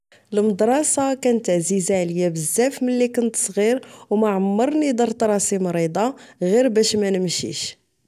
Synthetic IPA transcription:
lməd̪ɾˤɑsɑkænt̪æzizaʕləjæbəzːæfməlːikʊnt̪sˤɣiɾwmæʕamːəɾˤnid̪ɑɾˤt̪ɑɾˤɑsimɾid̪ˤɑɣiɾbæʃmænəmʃḭʃ

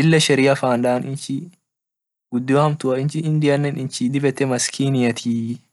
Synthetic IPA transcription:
ɪlːɛʃɛɾɪːɐfaːnᶑaːnɪnt͡ʃi | ɡʊd̪ːɪhɐmt̪ʊɐɪnt͡ʃɪɪnd̪ɪjɐnːɛnɪnt͡ʃiːd̪ɪbɛt̪ɛmɐskʰiːnɪjɐt̪ʰiː

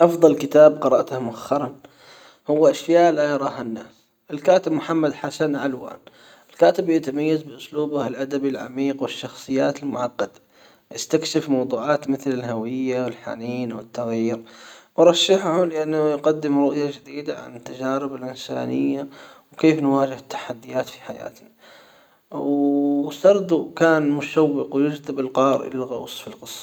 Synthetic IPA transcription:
ʔɑfðˤɑlkɪt̪aːbqɨɾˤɑːʔt̪ahmʊʔaxːɑɾˤɑn | hʊwːaʔaʃjaːʔlajɾˤɑːhanːaːs | ʔɪlkaːt̪ɪbmʊħamːad̪ħasanʕalwa̰ːn | ʔɪlkaːt̪ɪbjat̪amajːazbɪʔʊsluːbʊhalʔad̪abilʕa̰miːqwɪʃːɑxsˤɨjːaːt̪ɪlmʊʕɑqːɑd̪a | jɪst̪akʃɪfmɑwd̪ˤuːʕɑːt̪mɪθlɪlɦawɪjːawɪlħa̰niːnwɪt̪ːaɣjiːɾwɾˤɑʃːɪħhʊlɪʔanːʊjqɑd̪ːɪmɾˤʊʔjad͡ʒɪd̪iːd̪aʕa̰nɪt̪ːad͡ʒaːɾɪbɪlʔɪnsa̰ːnɪjːawkeːfnwaːd͡ʒɪhɪt̪ːḁħad̪ːɪjaːt̪fi̥ħaja̰ːt̪na | wsɑɾˤd̪ukaːnmʊʃawːɪqwjʊd͡ʒd̪ɪbɪlqɑːɾʔɪ̰lalɣawsˤfilqɨsˤːɑ̥

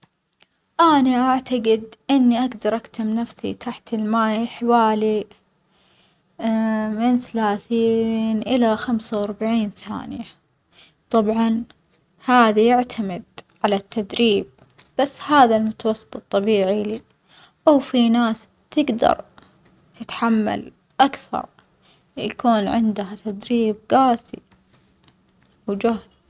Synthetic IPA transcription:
ʔaniʔaʕt̪aɡɪd̪ʔɪnːiʔaɡd̪ɑɾˤʔakt̪amnafsḭt̪ʰaħt̪ɪlmaːjħawaːli | mɪnθalaːθiːnʔɪlaxamsawɑɾˤbaʕiːnθa̰ːnɪja | t̪ˤɑbʕɑn | haːðajaʕt̪ʰamɪd̪ʕalat̪ːad̪ɾiːb̚ | b̥asːhaːðalmʊt̪ɑwɑsˤːɨ̥t̪ˤɨt̪ˤːɑbiːʕili | ʔawfinaːs | t̪ɪɡd̪ɑ̰ɾˤ | t̪ɪt̪ħamːa̰l | ʔakθɑ̰ɾˤ | ja̰kuːnʕɪ̰nd̪aɦat̪ad̪ɾiːb̚ɡaːsḭ | wd͡ʒʊhl

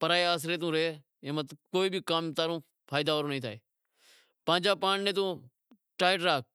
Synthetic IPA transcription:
pəɾaːeːaːs̬ɾeːt̪̬ũːɾeː | ẽːməkoːiːbʱiːkaːmt̪aːɾũː | pʰaːɪd̪aːoːɾoːnəĩːt̪ʰaːeː | pãːnd͡ʒaːpãːɳnẽːt̪̬ũː | ʈaːɪʈɾaːk̚

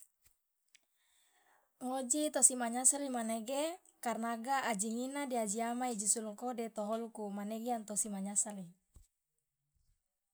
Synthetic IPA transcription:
ŋod͡ʒit̪osimaɲasalimaneɡe | karnaɡaʔːd͡ʒiŋinadiad͡ʒiamaid͡ʒisulŋkodɛt̪oɦolukumaneɡeant̪osimaɲasali

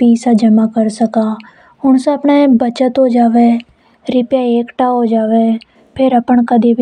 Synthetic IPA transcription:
piːsad͡ʒəmakəɾsəkaː | ʊnseɐpnebəːt͡ʃət̪ɦoːd͡ʒaːʋeː | ɾɪpjaeːkʈaːɦoːd͡ʒaːʋeː | pʰɪɾəpəɳkəd̪ibʱ

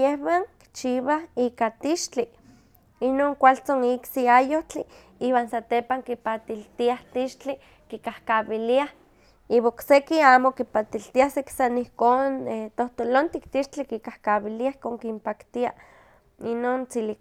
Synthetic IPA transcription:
jehwaŋki̥t͡ʃiβahiːkat̪iʃt͡ɬi | inoːŋkʷalt͡soniksiajoht͡ɬi | iːwaːnsat̪epaŋkipat̪ilt̪iaht̪iʃt͡ɬi | kikahkaβiliah | iwaoksekiaːmokipat̪ilt̪iaseksanihkoːnet̪oht̪olont̪ikt̪iʃt͡ɬikikahkaβiliaikoːŋkimpakt̪ia̰ | inont͡sili

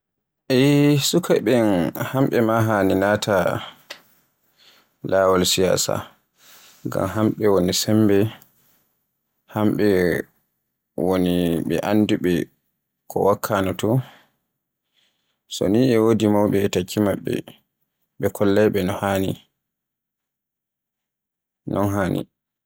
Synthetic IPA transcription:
ʔɛjisukʰajɓɛnhamɓɛmaɦaninaːtʰa | laːwalsija̰ːsa̰ | ɡa̰mɦamɓɛwonisɛmbɛ | hamɓɛ | woniɓɛ̰ʔanduɓɛ | kʰɔ̰wakʰːanɔtɔ | sɔ̰niːɛwodimawɓɛːtakʰːimaɓːɛ̰ | ɓɛkʰɔlːɛjɓɛnɔhaːni | nɔnɦaːnḭ

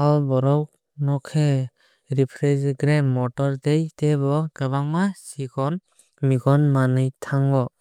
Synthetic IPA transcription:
awbɔɾɔw | nɔkʰe | ɾipʰɾezɡɾemːɔtɔɾdejtebɔɡɯβaŋmasiɡɔn | miɡɔnmanɯjtʰaŋbɔ

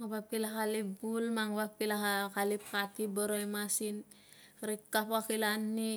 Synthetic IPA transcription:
ŋabap̚kilakalibulmaŋbap̚kilakakalip̚katiboɾojmasin | ɾikːapakilanːi

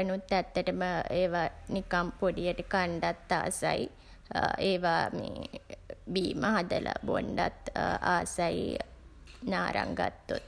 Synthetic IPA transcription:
nut̪ːɛt̪ːəʈəməeːʋanikampoɖijəʈəkaɳɖat̪ːa̰ːsa̰j | eːʋaːmeː | biːməɦad̪əlʔa̰bo̰ɳɖat̪ːaːsaj | naːɾʔa̰ŋɡa̰t̪ːut̪̚

